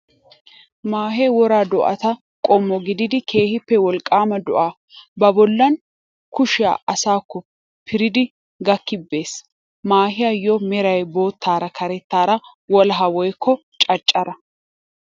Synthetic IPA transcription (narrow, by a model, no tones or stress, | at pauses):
maːɦewɔɾaːd̪ɔʔɐ̰t̪ɐ | kʼɔmːɔɡɪd̪ɪd̪ɪkʰe̞ːhɪpːɛwɔlkʼːaːmɐd̪ɔʔaː | bɐbɔlːɐn | kʊʃɪja̰ːʔɐsaːkːɔ | pʰɪɾɪd̪ɪ | ɡɐkːɪbːe̞ːs | maːhɪjɐjɔmɛɾɐjbo̞ːt̪ʰːaːɾɐkʰɐɾɛt̪ːaːɾɐ | wɔlɦɐwɔjkʰːɔ | t͡ʃʼɐt͡ʃʼːɐɾɐ